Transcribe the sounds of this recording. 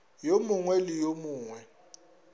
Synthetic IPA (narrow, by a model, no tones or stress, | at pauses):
jomuŋwɛlijomuːŋwɛ